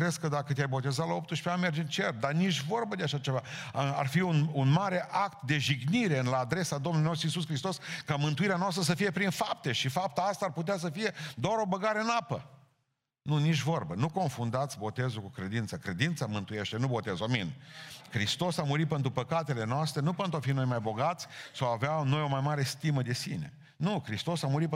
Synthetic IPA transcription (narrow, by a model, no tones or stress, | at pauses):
kɾeskəd̪akət̪ʲajbo̞t̪e̞zat̪lao̞p̚t̪uʃpeanme̞rd͡ʒɨnt͡ʃe̞rt̪̚d̪anit͡ʃʲvo̞rbəd̪e̞aʃat͡ʃe̞vaa̰rfiununmaɾe̞ʔakt̪d̪e̞ʒiɡniɾe̞ɨnlaːd̪ɾe̞sad̪omnulinos̬t̪ɾuis̬us̬kɾist̪o̞skamɨnt̪uiɾeanoast̪ɾəs̬əfije̞pɾinfap̚t̪e̞ʃifap̚t̪aast̪aːrput̪̬eas̬əfije̞d̪oaɾo̞bəɡaɾeɨnapə̰ | nunit͡ʃʲvo̞rbənuko̞nfund̪at̪sʲbo̞t̪e̞zukukɾe̞d̪int̪səkɾe̞d̪int̪səmɨnt̪uje̞ʃt̪e̞nubo̞t̪ezaminʲkɾist̪o̞samuɾit̪̚pe̞nt̪ɾupəkat̪e̞le̞noast̪ɾenupe̞nt̪ɾuafimnojmajbo̞ɡat̪sʲsawaveano̞jo̞majmaɾe̞st̪iməd̪e̞sḭne̞̰ | nukɾist̪o̞samuɾit̪